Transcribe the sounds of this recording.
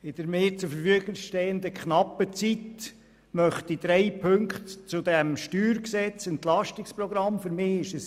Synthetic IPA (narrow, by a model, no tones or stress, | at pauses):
ɪd̥̪əɾmeːt͡sufəɾfyəɡəŋsʃtɛːənd̪əkʰχnɑpːət͡sit̪ | mœχt̪id̪ɾɛɪpʰɵŋkχt̪t͡sʊd̥̪ɛmʃtyːɾksɛt͡sɛnt̪lɑʃtɪksprɔɡɾɑmfʏɾmɪːɪʃəs